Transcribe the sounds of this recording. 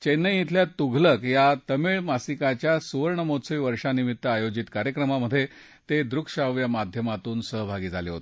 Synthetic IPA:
t͡ɕenːəit̪ʰljat̪uɡʱləkjat̪əmeɭmasikat͡ɕjasuʋəɾɳəmot͡səʋiʋəɾʂanimit̪ːəajod͡ʑit̪kaɾjəkɾəmaməd̪ʱːje | t̪ed̪ɾukʂaʋjamad̪ʱjəmat̪uːnsəɦbʱaɡiːd͡zʱaleɦo̰t̪e

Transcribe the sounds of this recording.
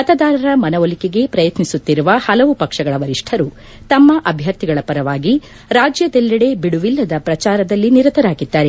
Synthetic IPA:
mɐt̪ɐd̪aːɾɐɾɐmɐnɐʋolikeɡe̞pɾɐjɐt̪nisut̪ːiɾuʋɐhɐlɐʋupɐkʂɐɡɐɭɐʋɐɾiʂʈʰɐɾu | t̪ɐmːɐʔɐbʱjɐɾt̪iɡɐɭɐpɐɾɐʋaːɡi | ɾaːd͡ʒjɐd̪ɛlːɐɽe̞biɽuʋilːɐd̪ɐpɾɐt͡ʃaːɾɐd̪ɐlːiniɾɐt̪ɐɾaːɡid̪ːaːɾe

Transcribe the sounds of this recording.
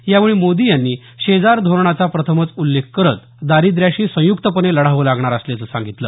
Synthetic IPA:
jaʋɭ̃imod̪ijanːiː | ɕed͡zaɾd̪ʱoɾɳat͡sapɾət̪ʰəmət͡sulːek̚ʰkəɾət̪ | d̪aɾid̪ɾjaɕiːsə̃jukt̪əpəneləɽ̤aʋəlaɡɳaɾəsljat͡səsã̰ŋɡit̪ləː

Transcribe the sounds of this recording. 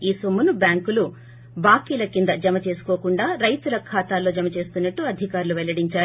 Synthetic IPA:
iːsomːunubjaːŋkulu | baːkiːlɐkind̪ɐd͡ʒɐmɐt͡ʃe̞ːsu̥koːkuɳɖaːɾɐjt̪ulɐkʰaːt̪aːlo̞ːd͡ʒɐmɐt͡ʃe̞ːst̪unːɐʈːuɐd̪ʱikaːɾuluʋɛlɐɽiɲt͡ʃaː

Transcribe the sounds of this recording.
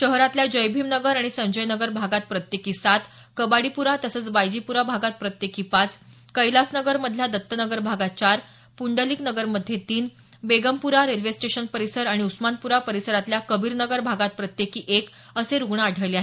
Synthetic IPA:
ɕəɦɾat̪ljad͡ʑəjbʱimnəɡəɾaɽ̃isə̃nd͡ʑəjnəɡəɾbʱaɡat̪̚pɾət̪jekiːsat̪ | kəbaɽipuɾat̪əsəːt͡sbajd͡ʑipuɾabʱaɡat̪̚pɾət̪jekiːpat͡s | kəjlasnəɡəɾməd̪ʱljad̪ət̪ːənəɡəɾbʱaɡat͡ɕaɾ | puɳɖəliːknəɡəɾməd̪ʱːjet̪iːn | beɡəmpuɾaɾelʋesʈeɕənpəɾisəɾaɽ̃iusmanpuɾapəɾisəɾat̪ljakəbʱiːɾnəɡəɾbʱaɡat̪̚pɾət̪jekiːʔek | əseɾuɡɳaːɽʱəjljaɦe

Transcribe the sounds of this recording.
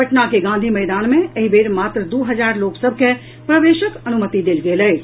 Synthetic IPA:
əʈnakeɡãːnd̪ʱimɛːd̪aːnmẽəɦibeːɾmaːt̪ɾəd̪uːɦɐd͡ʒaːɾloːksəb̚ʱke | pɾəʋeːʃəkɐnumət̪id̪eːlɡeːləː

